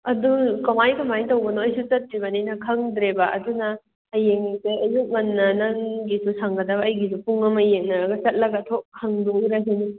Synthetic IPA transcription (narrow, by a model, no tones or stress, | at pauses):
ɐdukɐmajkɐmajtɐwɡɐnoɐjsut͡ʃɐt̚ɾiβɐnijnɐkʰɐŋd̪ɾebaʔɐ̰dunɐː | jeŋikeɐjuk̚ŋɐnːɐnɐŋɡisusaŋɡɐdɐβɐːjɡis̬upuŋɐmɐjeŋ̚nɐɾɐɡɐsɐt̚lɐɡɐtʰok̚kʰːɐŋduɾɐɦeni